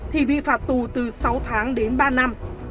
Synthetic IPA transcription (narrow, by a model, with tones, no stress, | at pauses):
t̪ʰi˨˩ɓḭ˧˨faː˨˩t̚t̪u˨˩t̪ɨ˨˩sa˨˦wt̪ʰaː˨˦ŋɗe˨˦nɓaː˧na˧m